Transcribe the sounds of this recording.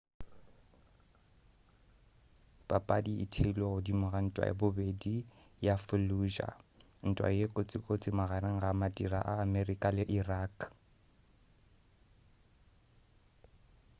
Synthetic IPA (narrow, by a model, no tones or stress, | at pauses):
b̥ʼapʼadiɪ̰tʰɪlwaʊdimʊɣan̩tʼwa̰jɪ̰bʊbedi | jafʊluʒa̰ | n̩tʼwa̰jekʼot͡sʼɪkʼot͡sʼɪmaɣaɾɪŋ̩ɣamatʼiraʔaːmɛrikʼalɪʔiraːk